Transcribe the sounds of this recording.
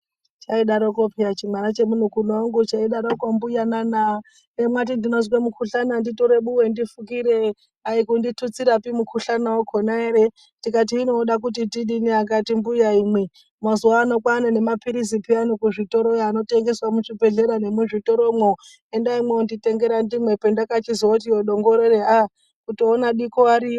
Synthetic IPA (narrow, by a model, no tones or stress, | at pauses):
t͡ʃaiɗaɾokopijat͡ʃimwaɾat͡ʃe̞mun̤ukunoŋɡut͡ʃaiɗaɾokombujanana | emwat̬indinozwemukʰuɬananditoɾe̞ɓuwe̞ndifukiɾe | aikunditʰut͡siɾapimukʰuɬanawokʰonaeɾe | tikat̬iːnoɗak̬ut̬itiɗiniak̬atimbujaimwe | mazuwaːnokwanene̞mapiɾizipianokuʐito̞ɾojano̞te̞ŋɡe̞swamuʐibʱe̞ɮe̞ɾane̞muʐito̞ɾomo | endaimweundite̞ŋɡe̞ɾandimwe̞pendakat͡ʃiziwout̬ioɗo̞ŋɡoɾeɾea | kutoːnaɗikoaɾio